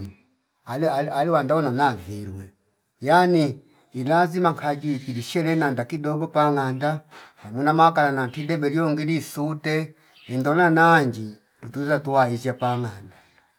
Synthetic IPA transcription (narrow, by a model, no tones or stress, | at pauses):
alaaliwandawɔnanaviɾwɛ | janiː | lazimaŋkʰad͡ʒikiliʃɛɾɛnandakidɔbɔpaŋandahamwinamaakalanantidɛbɛljɔŋɡilisutɛ | ɛndɔnanaɲd͡ʒi | lutuzatuaizapaŋanda